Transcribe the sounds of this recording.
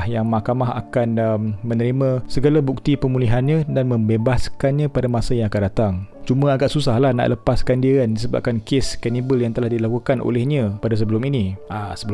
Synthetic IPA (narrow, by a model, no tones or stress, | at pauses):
hjaŋmakamaɦa̰kanəmmə̃nəɾimãsəɡalabuk̚t̪ipəmuliɦanɲãdanmə̃mbebaskanɲãpadamãsajaŋakandat̪aŋt͡ʃumə̃aɡaʔsusahlahna̰ʔlʔəpaskandiandisəba̰p̚kankeskɛnibəljaŋt̪əlahdilakukanʔo̰lɛhɲãpadas̬əbəlʊminiasəbə